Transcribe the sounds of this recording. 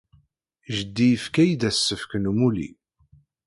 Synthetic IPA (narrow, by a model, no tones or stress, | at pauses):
ʒəd̪ːijəfkæjd̪æsːəfkənumulḭ